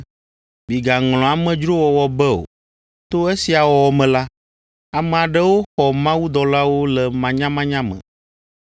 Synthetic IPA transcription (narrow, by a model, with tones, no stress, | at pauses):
bi˨ɡa˨ŋl̃ɔ̃˨a˨mɛ̃˨d͡ʒɾo˦wɔ˨wɔ˨bɛ˦o̰˨ | t̪o˦e˦si˨a˨wɔ˨wɔ˨mɛ̃˨la˦ | a˨mɛ˨a˨ɖɛ˦wo˦xɔ˨mã˦wu˦d̪ɔ˨la˦wo˦lɛ˨mã˨ɲã˦mã˦ɲã˦mɛ̰̃˨